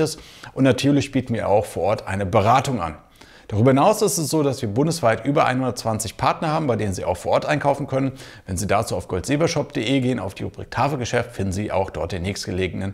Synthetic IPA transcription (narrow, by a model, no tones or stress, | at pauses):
əsʔʊntnatʰyːɐlɪçb̥iːtn̩viːɐʔa̰ʊxfoːɐʔɔɐtʔa̰ɪnəbəʁaːtʊŋʔa̰n | d̥aʁyːbɐhɪnaʊsɪstɛsz̥oːdasv̥iːɐbʊndəsv̥aɪtʔyːbɐʔa̰ɪnhʊndɐtt͡sv̥ant͡sɪçpʰaɐtnɐhaːbm̩baɪdeːnənziːʔaʊxfoːɐɔɐtʔaɪnkʰaʊfn̩kʰœnənvɛnziːdaːt͡suːaʊfɡ̥ɔltz̥eːbɐʃɔp̚d̥eːʔeːɡeːəna̰ʊfd̥iːʁubʁḭːk̚tʰaːfl̩ɡəʃɛftfɪndn̩ziːʔa̰ʊxd̥ɔɐt̚d̥eːnːɛːçstɡ̥əleːɡəŋnən